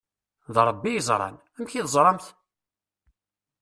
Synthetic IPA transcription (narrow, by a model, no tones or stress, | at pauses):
ðɾˤbːijəzˤɾˤɑ̰n | æmçiðzˤɾˤɑmθ